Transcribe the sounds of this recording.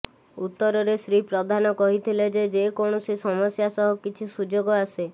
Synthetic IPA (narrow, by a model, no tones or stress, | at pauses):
ut̪ːɔɾɔɾesɾipɾɔd̪ʱanɔkɔɦit̪ʰiled͡ʒed͡ʒekoɳ̃ɔsisɔmɔsjasɔɦɔkit͡ʃʰisud͡ʒoɡɔase